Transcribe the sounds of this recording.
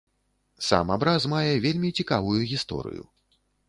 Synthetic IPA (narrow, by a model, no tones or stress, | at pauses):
sa̰mabɾazmajɛvʲelʲmʲit͡sʲikavujuɣʲist̪ɔ̰ɾɨ̰jṵ